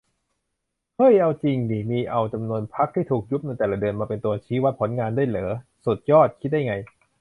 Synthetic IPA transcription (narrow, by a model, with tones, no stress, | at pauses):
hʰɤ˥˩jʔa˧wt͡ɕi˧ŋniː˨˩miː˧ʔa˧wt͡ɕa˧mnu˧ənpʰa˦˥k̚t̪ʰiː˥˩t̪ʰuː˨˩k̚ju˦˥p̚na˧jt̪ɛː˨˩la˦˩dɯ˧ənmaː˧pe˧nt̪u˧ɐt͡ɕʰiː˦˥wa˦˥t̪̚pʰo˩˦nŋaː˧ndu˥˩əjlɤː˩˦su˨˩t̪̚jɔː˥˩t̪̚kʰi˦˥t̪̚daː˥˩jŋa˧j